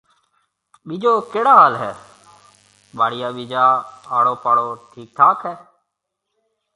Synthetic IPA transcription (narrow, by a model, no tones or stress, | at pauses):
ɓiːd͡ʒoːkeːɽaːɦaːlɦɛː | ɓaːɽɪjaːɓiːd͡ʒaːaːɽoːpaːɽoːʈʰiːk̚t̪ʰaːkɦɛː